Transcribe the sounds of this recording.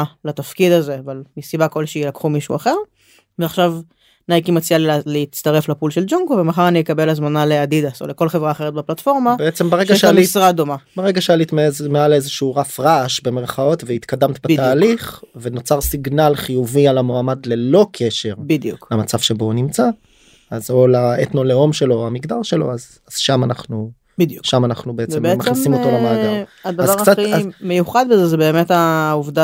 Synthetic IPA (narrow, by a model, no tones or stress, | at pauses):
lat̪afkid̪aze̞avalmisibako̞lʃejelakχumiʃṵaχe̞ʁ | veaχʃav | najkimat͡sijalleit͡st̪aʁe̞flapulʃe̞ld͡ʒuŋɡovemaχaʁanijekabe̞lazmanaleadid̪aso̰leko̞lχevʁaːχe̞ʁet̚beplat̪fo̞ʁmabeet͡sembaʁeʃɡajʃealisʁad̪o̞mabaʁeɡaʃealit̪mezmealezeʃuːʁafʁaʃbe̞meʁχao̞t̪veit̪kad̪amt̪bebdt̪aːliχve̞no̞t͡saʁsiɡnalχijuvialamoamadle̞lo̞kʰe̞ʃe̞ʁbid̪juklemat͡sav̥ʃe̞bo̞nimt͡sa | azolaet̪no̞leo̞mʃe̞lo̞amiɡd̪aʁʃelo̞̰az | az̥ʃamanaχnu | d̪juʃamanaχnubeezt͡semmaχnisimot̪olamoaaadvaʁkt͡satiazmejuχad̪̚bezezebeːmet̪auvd̪a